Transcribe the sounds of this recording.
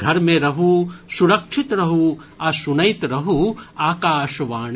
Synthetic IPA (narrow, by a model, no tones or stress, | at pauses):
ɡʱɐɾmẽɾɐɦusuɾɐkʂʰit̪ɾɐɦu | ɐsunɐjt̪ɾɐɦuaːkaːʃʋaːɳ